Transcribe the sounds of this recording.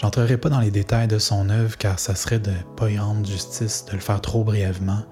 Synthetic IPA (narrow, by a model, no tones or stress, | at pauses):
ʒ̥ɑ̃t̪χəʁɛpad̪ɑ̃led̪et̪ajd̪əsɔ̃nœvʁkʲaːʁsasʁɛd̪əpɔjɑ̃ʒyst͡sɪsd̪̥ələfɛːʁt̪χobʁijɛvmɑ̃